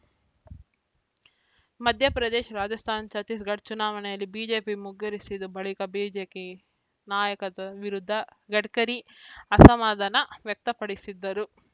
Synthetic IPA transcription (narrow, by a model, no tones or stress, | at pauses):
mɐd̪ʱjɐpɾɐd̪eːʃɐɾaːd͡ʒɐst̪ʰaːnt͡ʃɐt̪is̬ɡɐɖ̚t͡ʃunaːʋɐneːlibiːd͡ʒe̞ːpimuɡːɐɾisid̪ubʱɐɭikɐbiːd͡ʒeːki | naːjɐkɐt̪ɐʋiɾud̪ʱːɐɡɐʈkɐɾiɐsɐmaːd̪ɐnɐʋjɐk̚t̪ɐpɐɽisid̪ːɐɾu